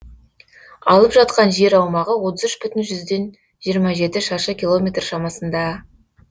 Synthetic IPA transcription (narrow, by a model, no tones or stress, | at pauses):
ɑ̰lˠəpʒɑt̪qɑnʒe̞ɾɑwmɑʁəwo̞t̪əzʏʃpʏt̪ɪnʒʏzd̪e̞n | ʒijəɾmɑʒe̞t̪ɪʃɑʃəkʲilˠo̞mʲe̞t̪rʃɑmɑsənd̪ɑ